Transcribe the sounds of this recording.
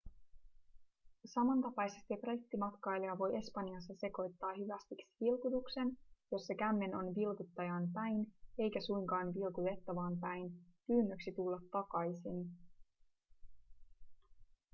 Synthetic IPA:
sɑmɑnt̪ɑpɑjse̞st̪iproit̪ːimɑt̪kɑjliɑʋo̞je̞spɑnjɑsːɑse̞ko̞jt̪ːɑːhyʋæst̪iksi̥ʋilkut̪ukse̞njo̞sːekæmːe̞no̞nʋilkut̪ːɑjɑːnpæjne̞jkæsujŋkɑːnʋilkut̪e̞t̪ːɑʋɑːmpæjnkyːnːøksit̪ulːɑt̪ːɑkɑjsin

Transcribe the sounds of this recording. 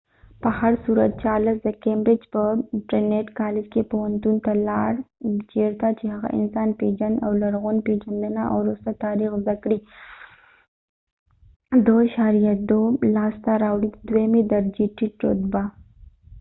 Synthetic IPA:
pəhaɾsuɾat̪̚t͡ʃaləsd̪əkembɾɪd͡ʒpəʈɾeneʈkɑlɪd͡ʒkepowant̪unt̪alɑɽt͡ʃeɾt̪at͡ʃehaɣa̰ʔɪ̰nsɑːnped͡ʒand̪awlaɾɣunped͡ʒand̪ənaʔa̰wɾost̪at̪aɾixzd̪akɽi | d̪oʃaɾijat̪̚d̪olɑːst̪aɾawɽid̪wemed̪aɾd͡ʒiʈiʈo̰t̪ba

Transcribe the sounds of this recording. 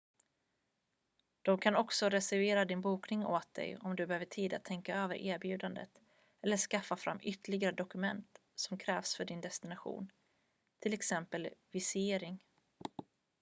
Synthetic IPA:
d̪̥ɔmkʰanɔksɔɾɛsæɾveːɾad̪ɪnbuːknɪŋoːt̪̚d̪ɛ̰jɔmd̪ɵbɛhøːvəʈʰiːd̪a̰t̪ʰːɛŋkaøːvə̰ɾʔeːɾbjʉ̟ːd̪and̪ə̰t̪ | ɛlːəʂkafːafɾa̰mːʏt̪ːəɭɪɡaɾəd̪ɔkɵmɛ̰nt̪ | sɔmkʰɾɛːvsfœɖɪnd̪ɛst̪ɪnaɧṵːn | t̪ʰɪlɛksɛmpəlvɪsɪeːɾɪŋ

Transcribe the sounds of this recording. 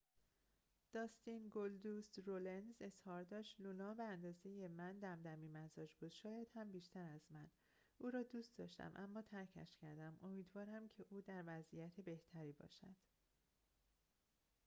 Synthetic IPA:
d̪̥ɒːst̪inɡold̪usɾolenze̞zhɒːɾd̪ɒːʃt̪lulɒːbeænd̪ɒːze̞jemænd̪æmd̪æmiːmæzɒːd͡ʒbuːd̪̥ʃɒːjæd̪̥hæmbiːʃt̪ʰæɾæzmæn | uːɾɒːd̪uːst̪̚d̪ɒ̰ːʃt̪æ̰mʔæmːɒːt̪ʰæɾcʰæ̰ʃcʰæɾd̪æmʔo̞miːd̪vɒːɾæmcʰe̞ʔuːd̪æɾvæzijæt̪ʰe̞be̞ht̪ʰæɾiːbɒ̰ːʃæd̪̥

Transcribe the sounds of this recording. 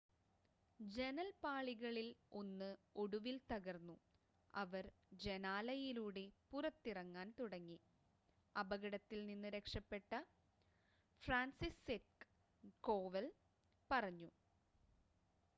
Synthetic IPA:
d͡ʑe̞nɐlpaːɭiɣɐɭilo̞nːɨo̞ɽuʋilt̪ɐɣɐrnːu | ɐʋɐr | d͡ʑe̞naːlɐjiluːɽe̞purɐt̪ːirɐŋːaːnt̪uɽɐŋːi | ɐbɐɣɐɽɐt̪ːilninːɨɾe̞kʂɐpːe̞ʈːɐ | fraːnsiset̚k | koːʋel | pɐrɐɲːu

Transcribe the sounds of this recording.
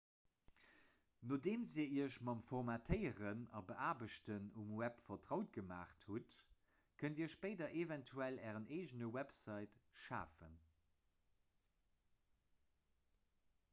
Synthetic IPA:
noːdeːnziːɐiːɐʃmɑmfɔʁmatʰəɪəʁənɑ̰bəʔaːbəʃtənumwæpfɐtʁɑʊt̚ɡ̥əma̰ːχthut | kʰəndiːɐʃpəɪdɐʔevɛntʰuælɛːʁənʔeɪʒənəwæpsɑɪtʃa̰ːfə̰n

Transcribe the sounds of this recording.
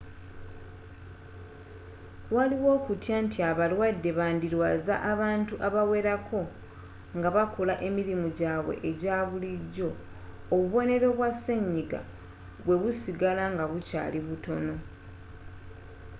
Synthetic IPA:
waliwo̞ːkutjantʰiaβalwadːe̞βaːndiɾwaːza̰ʔaβaːntuʔaβawe̞ɾakʰo̞ | ŋɡaβakʰolaʔe̞miɾimuɟaːβwe̞̰ʔeɟaːβuliɟːo̞ː | βuβo̞ne̞ɾo̞βwasːe̞ɲːiɡa̰ | βwe̞βusiɡalaŋɡaβuca̰ːliβuto̞no̞

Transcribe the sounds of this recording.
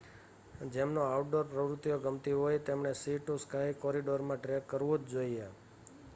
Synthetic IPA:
d͡ʒemnoawʈɖoɾpɾəʋɾʊt̪ːijoɡəmt̪iɦojt̪emɳesiʈoskaɦikɔɾiɖoɾmãʈɾekkːəɾʋod̪d͡ʒoia

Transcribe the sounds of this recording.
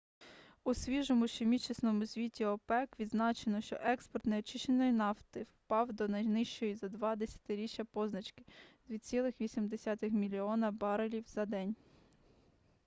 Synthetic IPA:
usʲʋʲiʒɔmʊʃemʲit͡ʃisnɔmʊsʲʋʲitʲiɔpɛkʋʲid̪znɑt͡ʃenɔʃt͡ʃɔ̰ʔɛkspɔrt̪neɔt͡ʃɪʃt͡ʃenɔjinɑwt̪ɪwpɑwd̪ɔnɐjnɪʃt͡ʃɔjizɐd̪ʋɑd̪esʲɐ̥t̪ɪɾʲit͡ʃʲjɐpɔznɐt͡ʃkɪ̥d̪ʲʋʲit͡sʲilˠɪxʋʲisʲimd̪esʲɑt̪ɪxmʲilʲiɔnɐbɑɾelʲiwzɐd̪ɛnʲ

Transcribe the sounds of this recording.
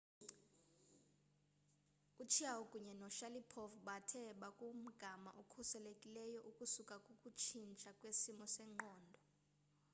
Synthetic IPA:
ut͡ʃʰiaukʼuɲɛnɔʃalipʰɔvɓatʰɛɓakʼum̩ɡ̥ʱama̰ʔokʰusɛlekʼilɛjɔʔukʼusukʼakʼukʼut͡ʃʰint͡ʃʼakʼwesimɔsɛŋ͡ǃɔːndʱɔ

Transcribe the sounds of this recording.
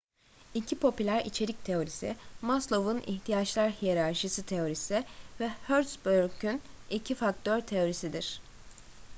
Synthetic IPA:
icʰipʰo̞pylʲæɾḭt͡ʃʰe̞ɾict̪ʰe̞o̞ɾisḭmaslˠo̞vunḭçt̪ʰijat͡ʃlˠaɾhijeɾaɾʃɯsɯt̪ʰe̞o̞ɾisɪvɛhøɾsbøɾkynicʰifak̚t̪ʰøɾt̪ʰe̞o̞ɾisid̪iɾ̥

